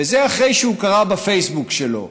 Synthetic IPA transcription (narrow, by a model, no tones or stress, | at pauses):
vezeaχʁe̞jʃeukaʁabafe̞jsbukʃelo̞̰